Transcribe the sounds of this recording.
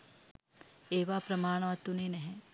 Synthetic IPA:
eːʋaːpɾɐmaːɳ̃ɐʋɐt̪uneːnɐɦɛ̃

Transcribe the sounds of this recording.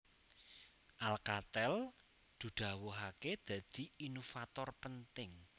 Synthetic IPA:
ʔalkat̪ɛl | d̪̥ṳd̪̥ä̤woɦaked̪̥ä̤d̪̥i̤inofat̪ɔrpənt̪ɪŋ

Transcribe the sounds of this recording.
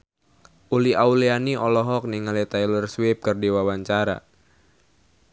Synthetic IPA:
ʔuliaulianiʔɔlɔɦɔk̚niŋalit̪ajlərswɪp̚kɨrdiwawaɲt͡ʃaɾa̰

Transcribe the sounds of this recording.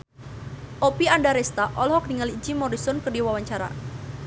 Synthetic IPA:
ʔopiandaɾɛst̪aʔɔlɦɔk̚diŋalid͡ʒimɔɾisɔnkərdiwawaɲt͡ʃaɾa̰

